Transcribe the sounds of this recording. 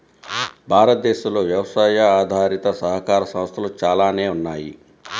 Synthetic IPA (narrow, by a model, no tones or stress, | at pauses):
bʱaːɾɐt̪̚d̪eːʃɐloːʋjɐʋɐsaːjɐaːd̪ʱaːɾit̪ɐsɐɦɐkaːɾɐsɐmst̪ʰɐlut͡ʃaːlaːne̞ːunːaːjḭ